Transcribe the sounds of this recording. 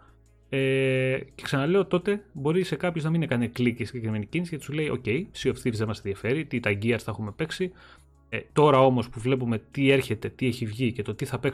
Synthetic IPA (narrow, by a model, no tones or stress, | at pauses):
ece̞ksɐnɐle̞o̞t̪o̞t̪e̞bo̞ɾise̞kɐpço̞znɐmine̞kɐneklicisiɲɟekɾime̞nicinisicɐt̪i̥sule̞io̞̰ce̞jsio̞fθiɾizemɐsenðiɐfe̞ɾit̪it̪ɐɟiɐɾsθɐexume̞pe̞ksi | t̪o̞ɾɐo̞mo̞spuvle̞p̬ume̞t̪ie̞ɾçe̞t̪e̞t̪ieçivʝice̞t̪o̞t̪iθɐpe̞k